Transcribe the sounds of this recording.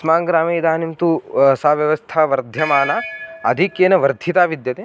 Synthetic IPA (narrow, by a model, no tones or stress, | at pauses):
smaːŋɡɾaːmiːd̪aːnimt̪usaːʋjɐʋɐst̪ʰaːʋɐɾd̪ʱjɐmaːnaːɐd̪ʱikjeːnɐʋɐɾd̪ʱit̪aːʋid̪jɐt̪eː